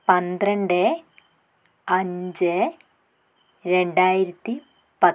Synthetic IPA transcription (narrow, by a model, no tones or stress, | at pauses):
pɐnd̪rɐɳɖɨ | ɐɲd͡ʑɨ | ɾe̞ɳɖaːjiɾɐt̪ːi | pɐ